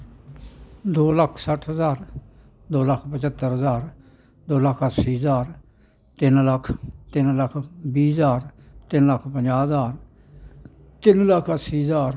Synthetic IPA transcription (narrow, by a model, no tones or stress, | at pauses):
d̪oːləkʰsəʈʰɦəzaːɾ | d̪oːləkʰpət͡ʃət̪ːəɾɦəzaːɾ | d̪oːləkʰət̪siːɦəzaːɾ | t̪ɪnləkʰt̪ɪnləkʰbiːzaːɾ | t̪ɪnləkʰpəɲd͡ʒaːzaːɾ | t̪ɪnləkʰətsiːzaːɾ